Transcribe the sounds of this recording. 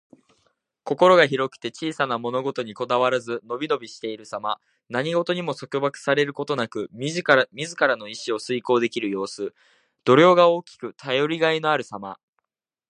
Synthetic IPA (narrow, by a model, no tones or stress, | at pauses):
ko̞ko̞ɾo̞ɡaçiɾo̞kɯ̥t̪e̞t͡ɕiːsanamo̞no̞ɡo̞t̪o̞ɲ̟iko̞d̪aβaɾazɨno̞bʲino̞bʲiɕi̥t̪e̞iɾɯ̟sama | naɲ̟iɡo̞t̪o̞ɲ̟imo̞so̞kʲo̞bakɯ̟̥saɾe̞ɾɯ̟ko̞t̪o̞nakɯ̟mʲizmʲizɨkaɾano̞iɕio̞sɨiko̞ːd̪e̞kʲiɾɯ̟jo̞ːsɨ | d̪̥o̞ɾʲo̞ːɡao̞ːkʲi̥kɯ̟t̪ʰajo̞ɾʲiɡaino̞aɾɯ̟sama̰